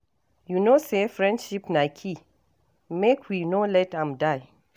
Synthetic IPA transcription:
junosefɹɛ̃ndʃipnajkʰi | mekʰwinolɛtãmdaj

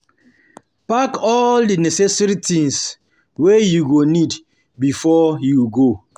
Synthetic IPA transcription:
pakɔldinɛsɛsaɾitĩŋs | wejuɡonid | bifɔjuɡo

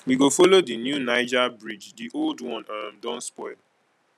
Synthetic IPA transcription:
wiɡofolodinjunaɪd͡ʒabɹid͡ʒdiʔoldwɔ̃nʌmdɔ̃nspɔɪl

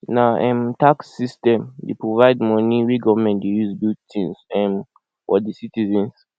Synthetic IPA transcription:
naʔɛ̃mtaksːistɛ̃mdepɹɔvaɪdmɔniɹiɡɔvmɛ̃ntdejuzbildtʰĩnsɛ̃m | wɔ̰disitizɛ̃ns

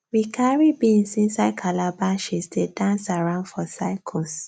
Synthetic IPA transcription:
wikʰaɹibĩnsĩnsaɪkʰalabaʃisdedãnsaɹãʊ̃ndfɔsaɪkʰɔs

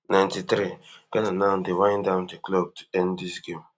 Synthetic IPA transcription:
nãj̃ntit̪ɾiɡ̥ɛnanãʊndewãɪ̃ndãʊ̃ndeklob̚tu̥ɛ̃ndisɡẽm

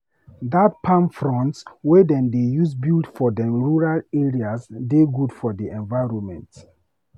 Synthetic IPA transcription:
dat̚pʰãnfɹɔ̃ntswɛdɛ̃ndejus̬bildfɔdɛ̃mɹuɹaleɹiasdeɡudfɔdiɛ̃nvajɹɔ̃nmɛ̰̃nt

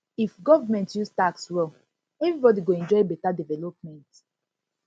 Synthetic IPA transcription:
ifɡɔvamɛ̃ntjustaksɹɛ | ɛvɾibɔdiɡoɛ̃nd͡ʒɔɪbetadivɛlop̚mɛ̃nt

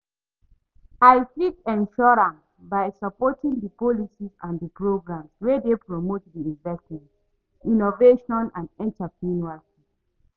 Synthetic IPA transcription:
ajfitɛ̃nʃɔɹãnsbajsapɔtĩŋdəpɔlisizãndəpɹoɡɹãmswedepɹomotdiivɛktiv | inoveʃɔ̃nãndɛ̃ntəpĩnualsi

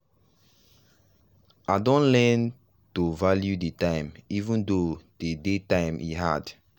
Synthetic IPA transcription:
adɔ̃nlɛn | tuvaljudetãɪ̃mivũndod̥edetãɪ̃mʔḭɦad

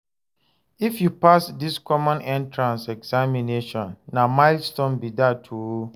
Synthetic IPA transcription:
ifjupasdiskʰɔmɔ̃nɛ̃ntʰɹãnsɛɡzamineʃɔ̃nːamaɪlstɔ̃nbidatʰuo

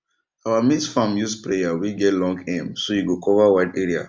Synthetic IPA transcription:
awamisfamjuspɹejawiɡɛtlɔ̃ŋɡɛ̃msojuɡokʰɔvawaɪdeɹia̰

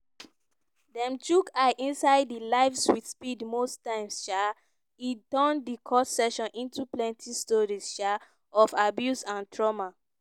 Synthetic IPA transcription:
dɛ̃mtukʰaɪʔĩnsaɪdːilaɪfswitspidmostãɪ̃msʃa | itɔ̃ndikʰɔssɛʃɔ̃nʔĩntuplɛ̃ntʰistɔɹisʃa | ɔfabjusãntʰɹɔma

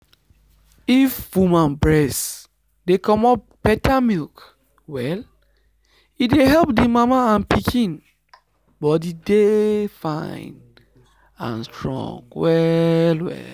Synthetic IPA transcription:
ifwumãnbɹɛs | dekɔ̃mɔp | pɛtamilk | wɛl | ideɦɛlp̚dimamaãnpikʰĩn | bɔdidefãɪn | ã̰nstɹɔ̰̃ŋwɛlwɛ̰l

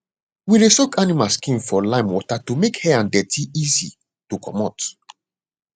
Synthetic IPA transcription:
wiɹisɔkanimalskĩnfɔlãɪ̃mwɔtatumekhɛãndɛtʰiizḭ | tukʰɔ̰mɔt

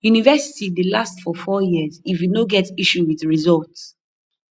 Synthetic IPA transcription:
junivɛsi̥tidelastfɔfɔjiəzifwinoɡɛtiʃuwiðɹizɔlts

